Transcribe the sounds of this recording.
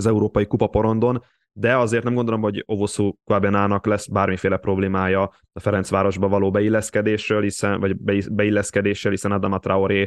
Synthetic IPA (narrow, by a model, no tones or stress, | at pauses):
zɛuɾoːpɒjikupɒpo̞ɾo̞nd̪o̞n | d̪ɛɒzeːrt̪ɛmɡond̪olo̞mho̞ɟo̞vo̞sukoaːbjɒnaːnɒklɛsbaːrmifeːlɛpro̞bleːmaːjɒ | ɒfɛɾɛnt̪sʋaːɾo̞ʒbɒvɒloːbɛilːɛskɛd̪eːʃrøːlhisɛnvɒɟbbɛilːɛskɛd̪eːʃeːlhisɛnɒd̪ɒmɒt̪raoɾeː